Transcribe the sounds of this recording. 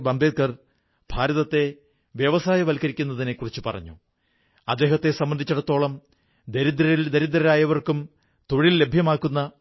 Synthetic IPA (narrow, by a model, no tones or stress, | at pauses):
bɐmbʱed̪̚kɐr | b̥ʱaːɾɐðɐt̪ːe̞ | ʋjɐʋɐsaːjɐʋɐlkɐɾikʲːunːɐðinekːurit͡ɕːɨpɐ̰rɐ̰ɲːu | ɐd̪ːe̞ːɦɐt̪ːe̞sɐmbɐnd̪it͡ɕːuɽɐt̪ːo̞ːɭɐm | d̪eɾid̪ɾɐd̪eɾid̪ɾɐɾaːjɐʋɐrkum | t̪o̞ɻilːe̞bʱjɐmaːkːunːɐ